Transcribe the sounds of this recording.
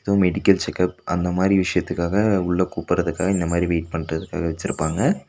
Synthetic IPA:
t̪ːõmɛɽɪkːɐlt͡ʃɛkɐp̚ɐnd̪ɐmaːd̪ɾiʋɪʂɐjɐt̪ːɯkːaːɣɐʊɭːɐkuːpɯɾɐðɯkːaːɣɐɪnd̪ɐmaːd̪ɾiʋeːʈ̚pɐɳrɐðɯkːa̰ːɣɐʋɛt͡ʃːɪɾɯpːaːŋɡɐ

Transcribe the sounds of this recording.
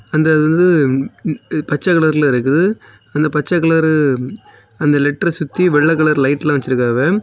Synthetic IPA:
ɐnd̪ɐːðɯʋɐnd̪ɯ | pɐt͡ʃːɐkɐɭɐɾlɪɾɯkːɯðɯ | ɐnd̪ɐpɐt͡ʃːɐkːɐɭɐɾɯ | ɐnd̪ɐlɛʈːrɐsʊt̪ːiʋɛɭːɐkːɐɭɐɾlɐɪʈːɪlãːʋɐt͡ʃːɪɾɯkːaːʋe

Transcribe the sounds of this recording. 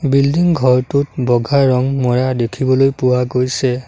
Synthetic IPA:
bildiŋɡʱɔɹtut̚bɔɡʱaɹɔŋmɔɹadekʰibɔlojpʊwaɡojsɛ

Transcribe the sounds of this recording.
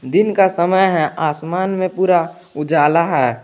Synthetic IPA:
d̪ɪnkasəməjɦɛʔaːsmaːnmẽpuːɾa | ʊd͡ʒaːlaɦɛː

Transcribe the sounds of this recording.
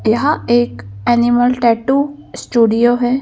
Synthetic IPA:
jɐɦãeːkɛːnɪməlʈɛːʈusʈuːɖijoɦɛː

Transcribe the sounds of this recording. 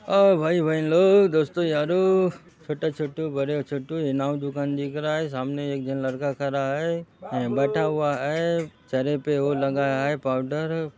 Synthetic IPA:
abʱaːibʱainloːɡd̪oːst̪ojaːɾo | t͡ʃʰoːʈat͡ʃʰoːʈobɐɾjot͡ʃʰoʈoɪnaːwd͡ʒ̪ʊkand̪ikɾaɦɛs̬aːmneeːk̚d̪ɪnlɐɾkakʰɐɾaɦebɛːʈʰaɦʊaɦɛet͡ʃɐɾepeolɐɡaaɦepaːʊɖəɾ

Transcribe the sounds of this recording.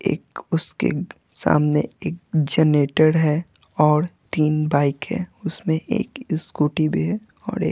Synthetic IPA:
ḛːkʊskḛ | sa̰ːmneeːk̚d͡ʒɛːneːʈəɾɦɛ | ɔːɾt̪iːnbaːɪkɦɛ̰ʊsmẽʔḛːkɪskuːʈibʱiɦɛ | ɔ̰ːɾeː

